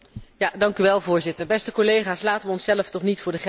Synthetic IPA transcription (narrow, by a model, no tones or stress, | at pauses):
jadɑŋkyʋɛlˠvʊːɹzɪtəɹbɛstəkolejχaːslaːtəʋəɔnsɛləftɔχnitfʊːɹdəχ